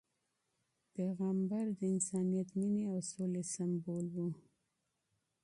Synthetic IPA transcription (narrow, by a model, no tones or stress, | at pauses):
peɣambaɾd̪əɪnsɑnijat̪mineawsolesambolwu